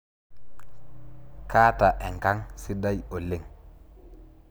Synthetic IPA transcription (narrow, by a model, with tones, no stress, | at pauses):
kaː˦ta˨ʔe˨ŋka˦ŋsi˦da˦jo˨lːe˦ŋ